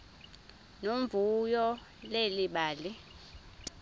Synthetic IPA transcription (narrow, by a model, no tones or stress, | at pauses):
nomvujɔ | leliɓaːli